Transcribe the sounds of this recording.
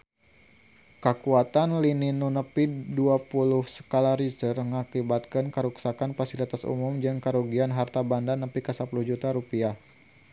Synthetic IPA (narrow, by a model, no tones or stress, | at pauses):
kəkuat̪anlininunəpiduapulʊhsə̥kalaɾisərŋakibat̪̚kankəɾuksakanfasilit̪asṵmʊmd͡ʒɨŋkəɾuɡianɦart̪abandanəpikəsəpuluhd͡ʒut̪aɾupiah